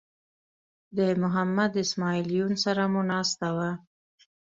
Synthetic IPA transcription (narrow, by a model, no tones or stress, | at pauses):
d̪əmʊɦamːad̪ɪsmɑilijunsaɾamunɑst̪awa